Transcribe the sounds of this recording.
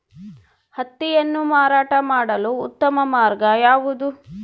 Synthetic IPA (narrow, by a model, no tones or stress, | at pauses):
hɐt̪ːijɐnːumaːɾaːʈɐmaːɽɐluːt̪ːɐmɐmaːɾɡɐjaːʋud̪u